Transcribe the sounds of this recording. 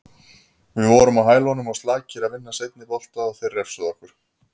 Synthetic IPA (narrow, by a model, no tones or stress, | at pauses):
vɪðvɔɾʏmaðɦaːjlaɦɔnʏmaðst̪laːcɪɾaðvɪnːasejt̪̚nɪpɔl̥t̪aaθɪrɛfsʏðɔhkʏɾ̥